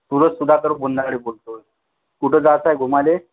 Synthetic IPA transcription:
t̪uɾət͡ssud̪ʱat̪əɾbund̪aɽebolt̪o | kuʈʰəd͡zat͡sajɡʱumale

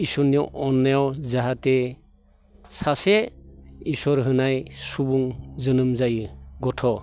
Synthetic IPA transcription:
isɔɾniʔɔnːajawzaɦate | sase | isɔɾɦɯnajsubuŋzɯnɯmzajɯɡɔtʰɔ

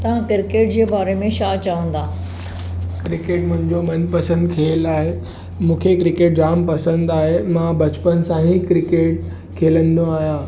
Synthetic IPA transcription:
t̪ɐʋ̤ãkɪɾɪkeːʈd͡ʑeːbaːɾemẽʃaːt͡ɕɐʋə̃nd̪aː | kɾɪkeːʈmʊ̃ɦɪ̃ɲd͡ʑomɐnpɐsə̃nd̪kʰilaːɦe | mũːkʰekɾɪkeːʈ̚d͡ʑaːmpɐsə̃nd̪aːɦemãbɐt͡ɕpənsãɦikɾɪkeːʈ | kʰeːlə̃nd̪oaːɦjãː

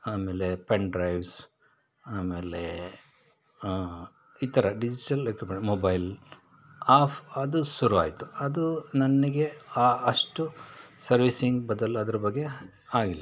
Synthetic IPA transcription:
aːmeːlepeɳɖɾɐjʋs | aːmeːle | it̪ɐɾɐɖid͡ʒiʈɐlekipeɳmobɐjl | aːpʰɐd̪usuɾua̰ːjit̪ːuɐd̪unɐnːiɡe̞aːɐʂʈusɐɾʋisiŋɡbɐd̪ɐluɐd̪ɐɾɐbɐɡːe̞ | aːɡilːɐ

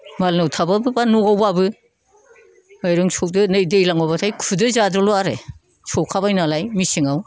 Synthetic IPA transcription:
malnɯwtʰababɯbanuawbabɯ | ɔjɾɯŋsʰɔk̚dɯnɯjdejlaŋɔbatʰajkʰudɯzadɔluaɾe | sʰɔwkʰabajnalajmisiŋaw

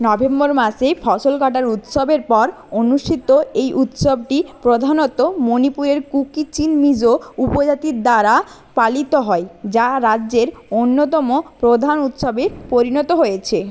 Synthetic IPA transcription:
nɔbemboɾmaʃefʰɔʃolkaʈaɾut̪ʃobeɾpɔɾ | onuʃʈʰit̪oejʔut̪ʃob̚ʈipɾod̪ʱanot̪ːomonipuɾeɾkukit͡ɕinmid͡ʑoupod͡ʑat̪iɾd̪aɾa | palit̪oɦɔed͡ʑaɾadd͡ʑeɾonːot̪ɔmopɾod̪ʱanut̪ʃobeɾpoɾinɔt̪oɦojet͡ɕʰe

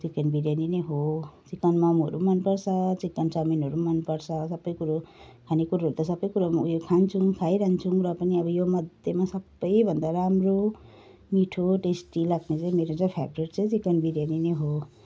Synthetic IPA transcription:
t͡sikːʌnbiɾjanineɦot͡sikːʌnmamuɦʌ̰ɾumʌnpʌrt͡sʰʌt͡sikːʌnt͡saminɦʌɾumʌnpʌɾt͡sʰʌsʌbːʌjkuɾokʰanekuɾaɦʌɾut̪ʌsʌbʌjkuɾamjokʰant͡sʰuŋkʰajɾant͡sʰuŋɾʌpʌniʌbʌjomʌd̪ʱjemasʌbːʌjbʱʌnd̪aɾamro | miʈʰoʈesʈilaɡnet͡saĩmeɾot͡sãpʰabriʈt͡sʌ̃ĩt͡sikʌnbiɾjanineɦo

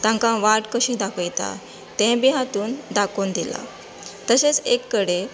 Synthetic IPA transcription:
t̪ãŋkãʋaʈkəɕĩːd̪akəjt̪a̰ | t̪ɛ̃biɦat̪uːnd̪akond̪ila̰ | t̪əɕet͡sekːəɽe

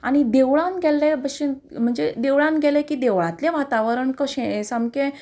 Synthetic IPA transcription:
aɽ̃id̪eʋɭãnɡʱɛlːẽbəɕen | m̤əɳd͡zed̪eʋɭãnɡʱɛlẽkid̪eʋɭãt̪lẽʋat̪aʋəɾəɳkəɕẽsamkẽ

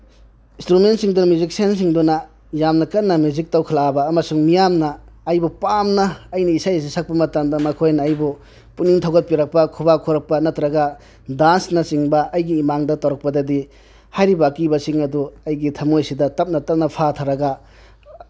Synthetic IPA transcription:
instɾumentsiŋdunmjuzik̚sens̬iŋdunɐ | jamnɐkɐnːɐmjuzik̚tawkʰɐlabɐːmɐsuŋmijamnɐː | jbupamnɐːjnɐisajs̬isɐk̚pɐmɐtɐmdɐmɐkʰojnɐːjbu | puniŋtʰɐwɡɐt̚piɾɐk̚pɐkʰubakʰuɾɐk̚pɐnɐtɾɐɡɐ | dansnɐsiŋbɐɐjɡiːmaŋdɐtawɾɐk̚pɐdɐdi | hajɾibakibɐsiŋɐduɐjɡitʰɐmojsidɐtɐp̚nɐtɐp̚nɐpʰatʰaɾɐɡɐ

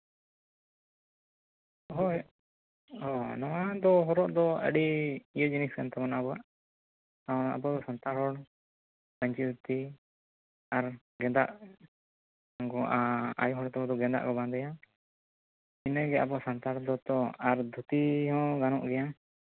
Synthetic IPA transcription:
ɦɔ | ɔnɔwad̪ɔɦɔɾɔʔd̪ɔə̰ɖiːjəd͡ʒiniskant̪ɛbɔnaʔbɔwaʔ | taɔnaʔabɔd̪ɔsant̪aɾɦɔɽ | bəɲt͡ʃid̪ʱut̪i | aɾ | ɡɛd̪aʔ | ɡɔʔaa̰jɔɦɔɽt̪ɔbɔd̪ɔɡɛd̪a̰ʔkɔbãnd̪ɛja | inəɡɛa̰bɔasant̪aɾd̪ɔt̪ɔaɾd̪ʱut̪iɦɔ̃ɡanɔʔɡɛja

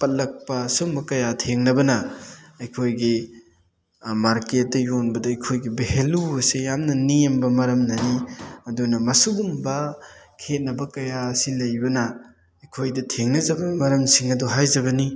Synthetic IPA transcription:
pɐt̚lɐk̚pɐsumbɐkɐjatʰeŋnɐbɐnɐɐjkʰojɡi | maɾket̚dɐjonbɐdɐɐjkʰojɡibeheluɐsejamnɐnijembɐmɐɾɐmnɐniɐdunɐmɐsuɡumbɐ | kʰet̚nɐbɐkɐjasilɐjbɐnɐ | ɐjkʰojdɐtʰeŋnɐzɐbɐmɐɾɐmsiŋɐduɦajzɐbɐni

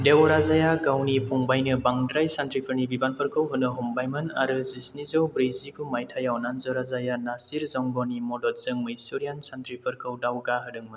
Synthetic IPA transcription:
dewɾazajaɡawnipʰuŋbajnɯbaŋdɾajsantɾipʰɯɾnibibanpʰəɾkʰɯwɦɯnːɯɦumbajmɯnaɾɯzisnizɯwbɾizikʰumajtʰajawnanzɯwɾazajanasiɾzɔŋɡɔnimɔdɔt̚z̥ɯŋmɯisoɾijansantɾipʰɯɾkʰɯwdawɡaɦɯdɯŋmɯ

